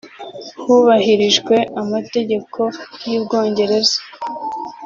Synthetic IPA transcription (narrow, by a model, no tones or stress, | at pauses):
huβaɦiɾiʒɡwe̞ʔamate̞ɟe̞kʰo̞jiːβɡo̞ːɲɟe̞ɾe̞zḁ